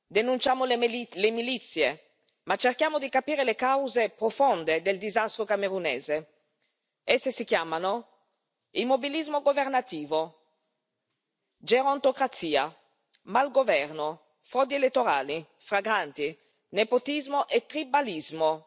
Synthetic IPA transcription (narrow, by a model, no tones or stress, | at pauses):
d̪enunt͡ʃaːmollemilit̪sːje | mat͡ʃerkjaːmod̪ikapiːɾelekawzepɾofond̪ed̪eld̪izast̪ɾokameɾunḛːze | ɛsːesikjaːmano | imːobilizmoɡovernat̪iːvo | d͡ʒeɾɔnt̪okɾat̪siːa̰ | malɡovɛrno | fɾɔd̪ielet̪ːoɾaːli | fɾaɡɾant̪i | nepot̪izmoʔet̪ːɾibalizmo